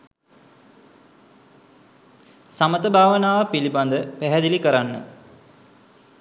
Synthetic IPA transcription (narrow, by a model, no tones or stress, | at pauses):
samət̪əbʱaːʋənaːʋəpiliband̪əpæɦɛd̪ilikəɾanːə̰